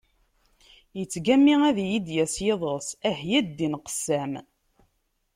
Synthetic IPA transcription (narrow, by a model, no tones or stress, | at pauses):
jət͡sːɡæmːiæðjid̪jæsjeðˤəsæhjæd̪ːinqə̥sːæm